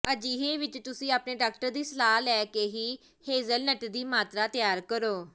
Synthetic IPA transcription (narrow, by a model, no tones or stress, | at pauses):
əd͡ʒiːɦeːʋɪt͡ʃt̪ʊsĩːaːpneːɖaːk̚ʈəɾd̪iːsəlaːɦlɛːkeːɦiː | heːzəlnəʈd̪iːmaːt̪ɾaːt̪ɪjaːɾkəɾoː